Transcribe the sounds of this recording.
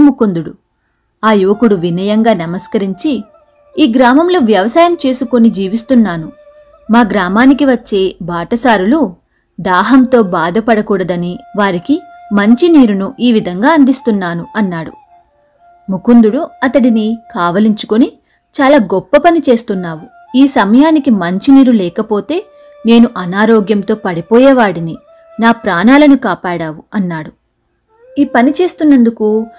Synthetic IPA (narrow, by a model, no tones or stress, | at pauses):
mukund̪uɽṵ | aːjuʋɐkuɽuʋinɐjɐŋɡaːnɐmɐskɐɾiɲt͡ʃi | iːɡɾaːmɐmlo̞ːʋjɐʋɐsaːjɐmt͡ʃe̞ːsuko̞nid͡ʒiːʋist̪unːaːnu | maːɡɾaːmaːnik̬iʋɐt͡ʃːe̞ːbaːʈɐsaːɾulu | d̪aːɦɐmt̪o̞ːbaːd̪ʱɐpɐɽɐkuːɽɐd̪ɐniʋaːɾiki | mɐɲt͡ʃiniːɾunuʔiːʋid̪ʱɐŋɡaːɐnd̪ist̪unːaːnuɐnːaːɽṵ | mukund̪uɽuɐt̪ɐɽinikaːʋɐliɲt͡ʃu̥koni | t͡ʃaːlaːɡɔpːɐpɐnit͡ʃe̞ːst̪unːaːʋu | iːsɐmɐjaːnikimɐɲt͡ʃiniːɾulɛːkɐpo̞ːt̪e̞ː | ne̞ːnuʔɐnaːɾoːɡjɐmt̪o̞ːpɐɽipɔːjɛːʋaːɽini | naːpɾaːnaːlɐnukaːpaːɽaːʋuɐnːaːɽu | iːpɐnit͡ʃe̞ːst̪unːɐnd̪uku